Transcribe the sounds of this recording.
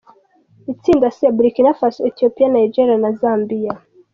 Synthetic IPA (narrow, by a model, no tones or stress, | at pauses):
it͡sindasiabɾikinafasetiopianaid͡ʒeɾianazambia